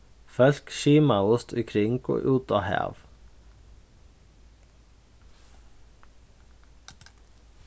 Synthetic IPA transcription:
fœl̥kʃiːmaʊst̪ʰʏ̰kʰɾɪŋkɔ̰ʔuːt̪ahæ̰ːʋ

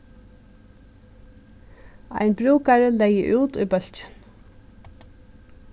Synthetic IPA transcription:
a̰jnbɾuːkaɹəlɛjə̰ʔuːt̪ʊ̰jbœl̥t͡ʃɪ̥n

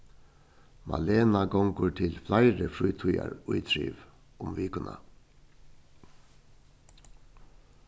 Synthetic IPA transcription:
mʔa̰leːnaɡɔŋkʊɹt̪ʰɪlflaɪɾəfɹuːt̪ʰuja̰ɹʊjt̪ʰɾḭːʋ | ʊmviːkʊna̰

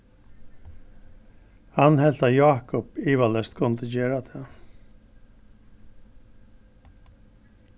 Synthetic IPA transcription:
hɑnhɛlt̪ajɑːkɔpiːʋalɛst̪kʰɔnət̪əd͡ʒeːɹat̪ʰeː

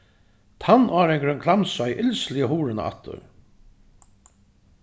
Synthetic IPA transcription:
t̪ʰanːaːɾɛŋkɾɛŋkʰlamsajʔɪlslɪjaɦuːɾɪna̰a̰t̪ːʊ̰ɾ

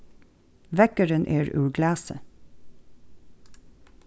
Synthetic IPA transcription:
ʋɛkəɹənʔeːɹʉ̰ːɹɡlɑːsə

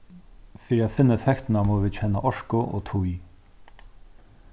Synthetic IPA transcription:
fiːɾiafɪnːaɛfɛkt̪ɪnamoːʋiːd̪t͡ɕʰɛnːa̰ʔɔʂkʊʔo̰ːt̪ʰuj

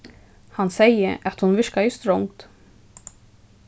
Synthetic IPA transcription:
hansɛjə̰ʔat̪hunvɪɹkajəst̪ɾɔŋt̪

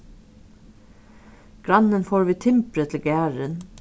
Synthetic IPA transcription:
ɡ̥ɾɑnənfoːɹʋiːt̪ʰɪmpɾət̪ʰl̩ɡæːɹən

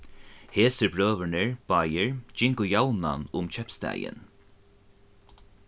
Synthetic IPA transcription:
heːsɪɾbɾøːʋənɪɹb̥ajɪɹd͡ʒɪŋkʊjawna̰nʊmt͡ʃʰɛpst̪æ̰ːjɪ̰n

